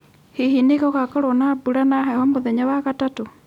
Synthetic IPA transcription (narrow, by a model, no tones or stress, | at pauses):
hiɦinekɔkakɔɾɔnabuɾanaɦahɔmboðeɲawakatato